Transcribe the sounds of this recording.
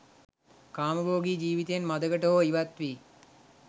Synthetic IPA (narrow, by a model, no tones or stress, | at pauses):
kaːməboːɡiːd͡ʒiːʋit̪ejenmad̪əɡəʈəɦoiʋat̪ʋiː